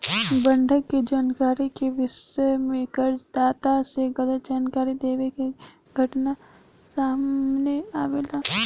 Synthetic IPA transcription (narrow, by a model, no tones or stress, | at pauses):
bɐ̃ɳɖʱəkːed͡ʒaːnkaːɾikeʋɪʃəmẽkɐɾd͡ʒd̪aːt̪aseɡɐd̪əd͡ʒaːnkaːɾid̪eːʋeke | ɡʱɐʈna | saːmneaːʋela